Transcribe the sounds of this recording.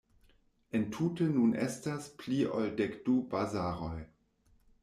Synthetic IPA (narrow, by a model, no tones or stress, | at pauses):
entʰuːtənunʔɛ̰staspliʔoldɛkd̥ubazaːʁoj